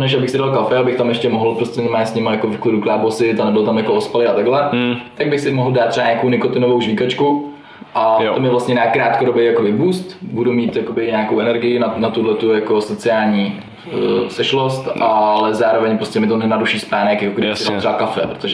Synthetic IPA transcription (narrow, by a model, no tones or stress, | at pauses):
nɛʃabɪxsɪdalkafɛabɪxt̪amjɛʃcɛmoɦl̩pɾoscɛnmaːɲsɲɪmajako̞vɪklɪduklaːbosɪt̪anɛbɪlot̪amjakoospalɪat̪aɡlɛt̪aɡ̚bɪxsɪmoɦl̩daːt̪ːr̥ɛaɲaːkownɪkot̪ɪnovowʒvikat͡ʃku | ʔat̪omjɛvlast̪ɲɛnaːkɾaːt̪koɾobejakobɪbuːst̪budumiːt̪jakobɪɲaːkowʔɛnɛɾɡɪjɪnanat̪udlɛt̪ujakosot͡sɪaːlɲiː | sɛʃlost̪ʔalɛzaːɾovɛɲpɾoscʲɛmɪt̪onɛnaduʃiːspaːnɛkjakoɡɾɪɪsɪalt̪ɾɛbakafɛ̰pɾot̪oʒɛ